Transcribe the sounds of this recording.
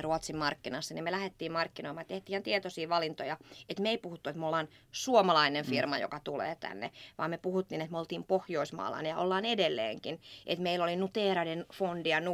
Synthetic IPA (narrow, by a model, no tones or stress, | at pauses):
ruot̪simmɑrkːinɑsːɑnimelæhet̪ːiːmmɑrkːinoimɑjɑt̪eht̪iːhɑnt̪iet̪osiːʋɑlint̪ojɑet̪meeipuhut̪ːuet̪meolːɑːnsuomɑlɑinenfirmɑjo̰kɑt̪ulḛːt̪æ̰nːḛʋɑ̰ːmepuhut̪ːiːnet̪meolt̪iːmpohjoismɑ̰ːlɑ̰njɑ̰ʔo̰lːɑːnedelːḛːŋkinʔet̪meilːolinut̪eːrɑdenfondiɑnu